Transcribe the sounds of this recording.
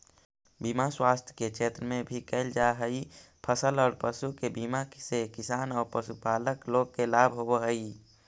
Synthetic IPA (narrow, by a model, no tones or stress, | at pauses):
biːmaswaːst̪ʰjkekʃʰeːt̪ɾəmẽbʱikəɪld͡ʒaɦəi | pʰəsəlɔːɾpəsukebiːmaksekɪsaːnɔːɾpəsupaːləkloːɡ̚kelaːbʱɦoɦəi